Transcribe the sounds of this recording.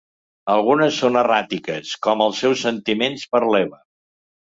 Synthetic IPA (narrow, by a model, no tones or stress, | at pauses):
əlˠɣunəsːonərat̪ikəskɔməlˠsɛwsənt̪imenspəɾlɛβə